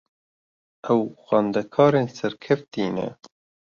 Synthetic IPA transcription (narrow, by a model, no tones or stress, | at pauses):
ʔɛwxɑːnd̪ɛkʰɑːɾeːnsɛɾkʰɛft̪iːnɛ̰